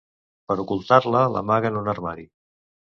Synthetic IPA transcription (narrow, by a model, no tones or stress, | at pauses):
pəɾukulˠt̪arləlʔə̰maɣənonərmaɾi